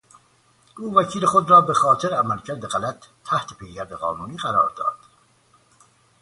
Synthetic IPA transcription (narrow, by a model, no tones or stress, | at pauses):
ʔuːvæcʰiːle̞xod̪ɾɒːbe̞xɒːt̪ʰeɾeæmælcʰæɾd̪eɣælæt̪ʰːæht̪ʰepʰejɟæɾd̪eɣɒ̰ːnuːniːɣæɾɒːɾd̪ɒ̰ːd̪̥